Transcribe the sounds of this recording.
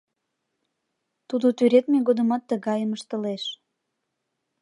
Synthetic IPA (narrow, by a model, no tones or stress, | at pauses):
t̪ud̪ot̪yɾet̪meɣod̪əmɑt̪ːəɣɑjəməʃt̪ə̆leʃ